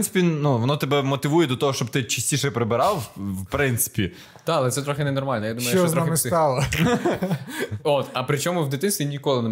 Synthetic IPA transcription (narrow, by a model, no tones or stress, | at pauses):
nsɪ̥pʲinuʋɔnɔt̪ebɛmɔt̪ɪʋujɛd̪ɔt̪ɔɦɔʃt͡ʃɔb̚t̪ɪt͡ʃi̥sʲtʲiʃɛpɾɪbɪɾɑwwpɾɪnt̪sɪ̥pʲi | d̪̥ɑɐlˠɛt̪ɛt̪ɾɔxɪnɛnɔrmɑlʲnjad̪umɐjt͡ʃɔznɔaxɪmɪsɑlˠɐ | ot̪ɐpɾɪt͡ʃɔmʊwd̪ɪt̪ɪsʲinʲikɔlˠɪnɛ